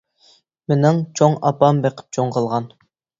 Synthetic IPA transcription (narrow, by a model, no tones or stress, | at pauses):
menɪŋt͡ʃʰoŋɑpɑmbeqʰɪ̥p̚t͡ʃʰoŋqʰəlˠʁɑn